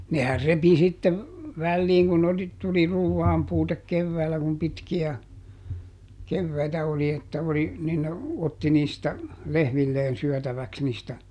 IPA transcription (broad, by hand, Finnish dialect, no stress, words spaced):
nehær repi sitːe ʋælːiːŋ kun oli tuli ruːʋːɑːmpuːtek keʋːæːlːæ kum pitkiæ keʋːæitæ oli etːæ oli nin ne otːi niːstæ lehmilːeːn syœˑtæʋæks niːstæ